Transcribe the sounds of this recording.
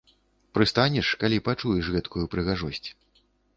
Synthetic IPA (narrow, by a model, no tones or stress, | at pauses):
pɾɨst̪anʲɛʂkalʲipat͡ʂujɛʂɣɛt̪kujupɾɨɣaʐɔsʲt͡sʲ